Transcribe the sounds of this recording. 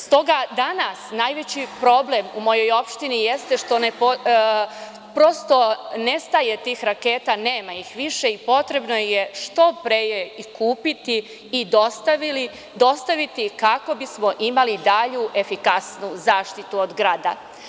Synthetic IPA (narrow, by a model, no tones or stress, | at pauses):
st̪o̞ɡad̪anasnaːjʋe̞t͡ɕipɾo̞ble̞mumo̞jo̞jo̞pʃt̪inije̞st̪eʃt̪o̞nepo | pɾo̞st̪o̞ne̞st̪aje̞t̪iːxɾake̞ːt̪ane̞ːmaixʋiʃeipo̞t̪ɾe̞bnojeʃt̪o̞pɾejeikuːpit̪iː | d̪ost̪aʋili | d̪o̞st̪aʋit̪ikako̞bismo̞ʔimalid̪aʎuʔe̞fikasnuzaːʃt̪it̪uod̪ɡɾaːd̪a̰